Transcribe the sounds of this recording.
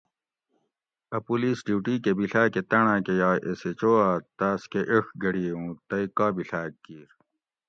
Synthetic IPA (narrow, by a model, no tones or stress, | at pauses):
ɐpuliːsɖiwʈiːkebiɬaːket̪ɐɳãːkejaːʔeset͡ɕoːaːt̪aːskeʔeʂɡɐɽiːũːt̪ɐikaːbiɬaːkːiːɾ